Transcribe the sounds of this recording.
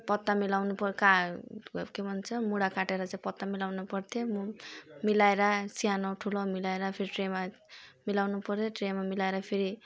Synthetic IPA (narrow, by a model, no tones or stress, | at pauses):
pʌt̪ːamilawnupʌka | kebʱʌnt͡sʰʌmuɽakaʈeɾʌt͡saĩpʌt̪ːamilawnupʌrt̪ʰjommilaeɾasiɦanoʈʰulomilaeɾapʰeɾiʈrema | milawnupʌrt̪ʰjoʈremamilaeɾapʰeɾi